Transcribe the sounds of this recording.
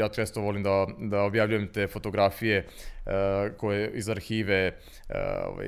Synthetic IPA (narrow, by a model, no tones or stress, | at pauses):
jaːt͡ʃest̪oʋo̞limd̪ad̪aobjaʋʎujemt̪eːfo̞t̪oɡɾafije̞ | kojeizaɾxiːʋḛ | o̰ʋa̰